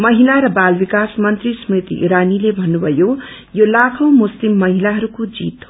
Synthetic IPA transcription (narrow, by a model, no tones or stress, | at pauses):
mʌɦilaɾʌbalbikasmʌnt̪rismit̪ḭʔḭɾanilebʱʌnːubʱʌjo | jolakʰʌ̃w̃muslimːʌɦilaɦʌɾukod͡zḭt̪